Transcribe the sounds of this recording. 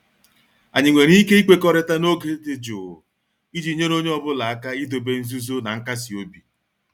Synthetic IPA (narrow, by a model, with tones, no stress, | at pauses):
a̰˨ɲɪ˨ŋʷe˨ɾi˦i˦ke˦i˦k͡pe˦kɔ˦ɾɪ˦ta˦no˦ɡe˨˦dɪ˨d͡ʒʊ˨ | i˦d͡ʒi˨˦ɲe˦no˦ɲe˦ɔ˦bʊ˦la˨a˦ka˦i˦do˨be˦n̩˦zu˦zo˦na˨ŋ̩˦ka˦si˨o˦bi˨